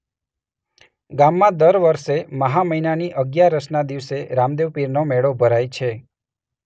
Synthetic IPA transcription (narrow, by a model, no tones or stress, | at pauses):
ɡamːãd̪əɾʋəɾʃeməɦaməinaniʔəɡjaɾəʃnad̪iʋseɾamd̪eʋpiɾnomeɭobʱəɾajt͡ʃʰe